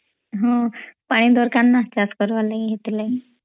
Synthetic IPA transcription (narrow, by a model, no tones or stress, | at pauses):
ɦə̃paɽ̃id̪ɔɾkanːat͡ɕaskəɾʋaləɦet̪ilə